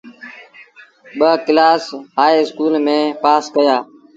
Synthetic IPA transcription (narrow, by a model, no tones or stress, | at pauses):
ɓəklaːsɦaːiɪskuːlmẽːpaːskəjaː